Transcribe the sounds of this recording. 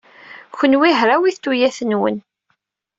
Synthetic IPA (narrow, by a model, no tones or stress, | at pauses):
çənwiɦɾawiθt̪ːujæθənwə̰n